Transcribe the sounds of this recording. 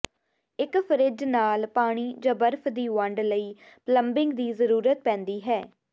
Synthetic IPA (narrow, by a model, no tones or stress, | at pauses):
ɪkpʰəɾɪd͡ʒnaːlpaːɽ̃iːd͡ʒãːbəɾpʰd̪iːʋə̃ɳɖləiː | pləmbɪŋɡd̪iːzəɾuːɾət̪̚pɛ̃ːnd̪iːɦɛː